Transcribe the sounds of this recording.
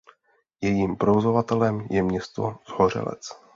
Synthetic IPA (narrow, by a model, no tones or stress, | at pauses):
jɛjiːmpɾovozo̞vat̪ɛlɛmjɛmɲɛst̪o̞z̥hor̝ɛ̰lɛ̰t͡s